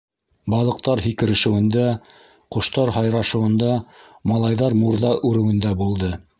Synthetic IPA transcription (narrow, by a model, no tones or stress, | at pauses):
bɑlˠɤ̆q̚t̪ɑɾɦikɘ̆ɾɘ̆ʃɘ̆wɘ̆nd̪æ | qŏʃt̪ɑɾɦɑjɾɑʃɤ̆wɤ̆nd̪ɑ | mɑlˠɑjðɑɾmuɾðɑʔʉɾɘ̆wɘ̆nd̪æbulˠd̪ɤ